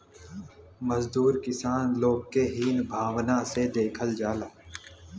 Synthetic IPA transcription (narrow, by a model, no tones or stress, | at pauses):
məzd̪uːɾkɪsaːnloːɡ̚keɦiːnbʱaːwnased̪eːkʰəld͡ʒaːlaː